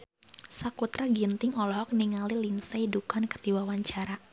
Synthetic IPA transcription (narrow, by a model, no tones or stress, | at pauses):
sakut̪ɾaɡint̪ɪŋɔlɔɦɔk̚niŋalilinsaidukankərdiwawaɲt͡ʃaɾa